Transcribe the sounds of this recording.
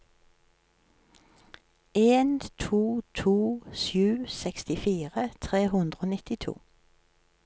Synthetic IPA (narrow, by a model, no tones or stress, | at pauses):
ʔeːnt̪ʰuːt̪ʰuːʃjʉːsɛkst̪ɪfiːʁət̪ʰʁeːhʉnd̪ʁoːnɪt̪ɪt̪ʰṵː